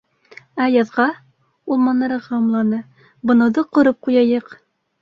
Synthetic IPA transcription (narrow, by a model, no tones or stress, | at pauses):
æjɑðʁɑ | ulˠmɑnːɑɾɤʁɑɑmlˠɑnɤ | bɤ̆nɤ̆wðɤqŏɾɤp̚qujɑjɤq